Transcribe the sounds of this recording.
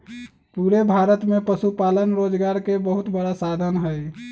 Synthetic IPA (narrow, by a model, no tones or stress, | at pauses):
puɾebʱaɾət̪mepəsupalənɾod͡ʒɡaɾkebəɦut̪bəɽasad̪ʱənɦəj